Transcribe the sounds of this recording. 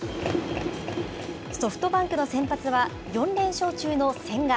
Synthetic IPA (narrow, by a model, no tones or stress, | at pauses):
sso̞ɸɯ̥t̪o̞bãŋkɯ̟no̞sẽ̞mpat͡sɨβa | jõ̞nɾẽ̞ɰ̃ɕo̞ːt͡ɕɨːno̞sẽ̞ŋɡa